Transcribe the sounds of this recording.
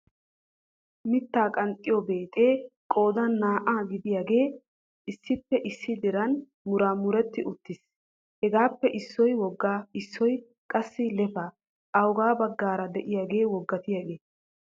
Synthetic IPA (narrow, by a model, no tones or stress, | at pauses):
mɪt̪ːaːkʼɐnt̪ʼːɪjɔbeːt̪ʼe̞ːkʼo̞ːd̪ɐnːaːʔaːɡɪd̪ɪjaɡe̞ː | ɪsːɪpːɛʔɪsːɪd̪ɪɾɐn | mʊɾaːmʊɾɛt̪ːɪʔʊt̪ːɪs | hɛɡaːpːɛʔɪsːɔjwɔɡːaɪsːɔj | kʼɐsːɪlɛfa | ɐwɡaːbɐɡːaːɾɐd̪ɛʔɪjaːɡe̞ːwɔɡːɐt̪ɪjaɡe̞ː